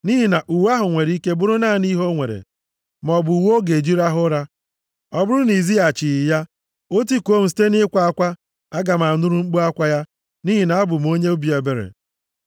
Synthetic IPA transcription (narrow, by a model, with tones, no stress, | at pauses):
ni˦ɦi˨na˨ʔu˨wa˦ɦʊ˨ŋʷe˨ɾi˦ke˦bʊ˦ɾʊ˦naː˦˨ni˦ɦo˦ŋʷe˨ɾḛ˨ | m˨ɔ˨bʊ˨u˨wo˦ɡe˨d͡ʒi˦ɾa˦ɦʊ˦ɾa˦ | ɔ˦bʊ˦ɾʊ˦ni˨zi˦a˨t͡ʃɪ˨ja˦ | o˦t̬i˦ko˦m̩˨s̬i̥˦te˦nɪ˦kʷa˨a˦kʷa˦ | a˦ɡa˨m˨a˨nʊ˦ɾu˦ŋ͡m̩˦k͡pu˦a˦kʷa˦ja˦ | ni˦ɦi˨na˨a˦bʊ˨m˦o˦ɲe˦ʊ˦bi˨e˨be˨ɾḛ˨